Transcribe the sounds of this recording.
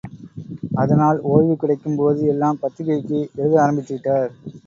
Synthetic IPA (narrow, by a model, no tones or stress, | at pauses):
ʔɐðɐnaːloːɻʋɯkːɪɽɐɪkːɯmpoːðɯɛlːaːmpɐt̪ːɯɣɐɪkːɯʔɛɻɯðɯaːɾɐmbɪt̪ːɪʈːaːɾ